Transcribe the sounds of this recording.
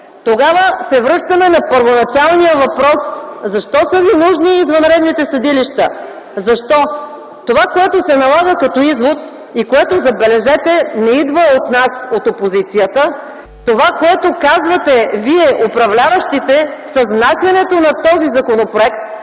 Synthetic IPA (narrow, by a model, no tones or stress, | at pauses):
t̪oɡavəsɛvɾɤʃt̪əmɛnɐpəɾvonɐt͡ʃalˠnijəvɐpɾɔszɐʃt̪ɔsəvinuʒniːzvɐnɾɛd̪nit̪ɛsɐd̪iliʃt̪ə | zɐʃt̪ɔ | t̪ovakoɛt̪osɛnɐlˠaɣəkɐt̪ɔizvot̪̚ | ikoɛt̪ozɐbɛlɛʒɛt̪ɛnɛid̪vəot̪nasot̪opozit̪sijət̪ə | t̪ovakoɛt̪okazvət̪ɛviɛʔopɾɐvlʲavəʃt̪it̪ɛsɐznasʲjɐnɛt̪onɐt̪ɔzizɐkonopɾoɛkt̪